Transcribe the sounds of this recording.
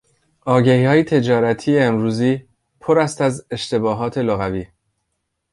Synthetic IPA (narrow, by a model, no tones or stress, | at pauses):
ʔɒːɟæhiːhɒːjet̪ʰe̞d͡ʒɒːɾæt̪ʰiːeːmɾuːziː | pʰoɾæst̪æze̞ʃt̪e̞bɒːɦɒːt̪ʰe̞loɣæviː